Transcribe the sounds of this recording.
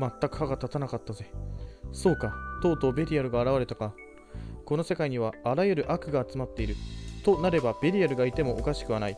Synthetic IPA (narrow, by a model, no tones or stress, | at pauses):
mat̪ːakɯ̟haɡat̪at̪anakat̪ːaze̞so̞ːkat̪o̞ːt̪o̞ːbʲe̞ɾʲiaɾɯ̟ɡaːɾaβ̞aɾe̞t̪aka | ko̞no̞se̞kaiɲ̟iβ̞aːɾajɯɾɯ̟ʔakɯ̟ɡaːt͡sɨmat̪ːe̞iɾɯ̟t̪o̞naɾe̞bab̥ʲe̞ɾʲiaɾɯ̟ɡait̪e̞mo̞ʔːkaɕi̥kɯ̟βanai